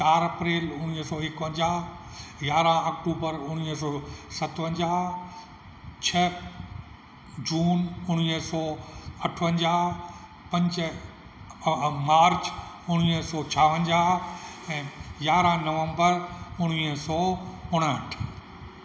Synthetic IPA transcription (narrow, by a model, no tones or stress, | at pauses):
t͡ɕaːɾɐpɾeːlʊɽ̃iːsɔːɪkʋə̃ɲd͡ʑaː | jaːɾãaːk̚ʈuːbəɾʊɽ̃isɔːsɐt̪ʋə̃ɲd͡ʑaː | t͡ɕʰɐ | d͡ʑuːnʊɽ̃iːsɔːɐʈʰʋə̃ɲd͡ʑaː | pɐ̃ɲd͡ʑ | maːɾt͡ɕ | ʊɽ̃iːsɔːt͡ɕʰaːʋə̃ɲd͡ʑaːɦɛ̃ːjaːɾãnɐʋə̃mbəɾʊɽ̃iːəsɔːʊɽ̃əʈʰ